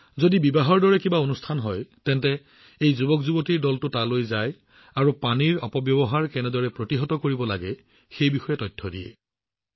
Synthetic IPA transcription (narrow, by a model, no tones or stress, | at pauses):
zodibibaɦɔɹdɔɹɛkibaonustʰanɦɔjtɛntɛ | ejzubɔkzubotiɹdɔltʊtalojzaj | aɹupaniɹɔpɔbjɔbɔɦaɹkɛnɛdɔɹɛpɹotiɦɔtɔkoɹibɔla̰ɡɛ | xejbixɔjɛtɔjtʰːɔdijɛ̰